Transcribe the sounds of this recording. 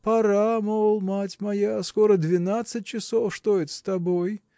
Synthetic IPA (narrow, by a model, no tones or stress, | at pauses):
pɐɾamolˠmatʲmɐjaskoɾəd̪vʲɪnat̪sɨt̚ʲt͡ɕɪsofʂt̪oɪt̪ʲst̪ɐboj